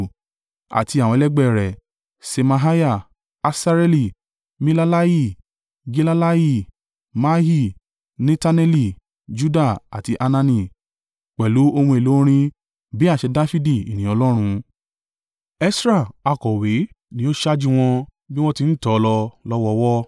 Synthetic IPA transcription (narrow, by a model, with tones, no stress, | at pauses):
a̰˨ti˧a˨w̃ɔ̃˧lɛ˦ɡ͡bɛ˦˨ɾɛ˨ | se˧ma˧ɦa˦ja˦˨ | a˧sa˦ɾe˦li˨ | mi˦la˦la˦ji˦˨ | ɡi˦la˦la˦ji˦˨ | ma˦ɦi˦˨ | nĩ˦ta˦nɛ˦li˦˨ | d͡ʒu˦da˦˨a̰˨ti˧ʔa˧nã˧nĩ˧˨ | k͡pɛ˨lu˨˦o˧hũ˧e˨lo˨˦ɾ̃ĩ˧ | bi˦a˦˨ʃɛ˧da˦fi˦di˦˨ḭ˨nĩ˨˦ɔ˧lɔ˦ɾ̃ũ˧ | ɛ˦sɾa˦˨a˧˨kɔ˨we˨˦ | nĩ˦o˦ʃa˦d͡ʒi˦˧w̃ɔ̃˧ | bi˦w̃ɔ̃˦ti˧n̩˦tɔ˨˧lɔ˧lɔ˦wɔ˧wɔ˦